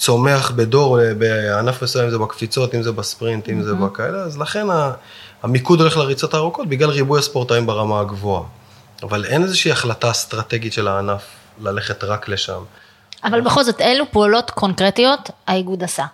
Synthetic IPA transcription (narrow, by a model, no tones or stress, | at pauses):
t͡so̞me̞aχbe̞do̞ʁbeanafmesujamimzebakfit͡so̞timzebaspʁintimzebakaeleazlaχe̞naːmikudo̞leleʁit͡so̞t̪aːʁuko̞t̚biɡlalʁibujaspo̞ʁt̪aimbaʁamaɡvo̞a | avale̞nezeʃiaχlatast̪ʁate̞ɡitʃelaːnaf | lale̞χe̞tʁakle̞ʃa̰m | avalbeχo̞lzo̞t̪elupoalo̞tkʰo̞nkʁetio̞thaiɡud̪asa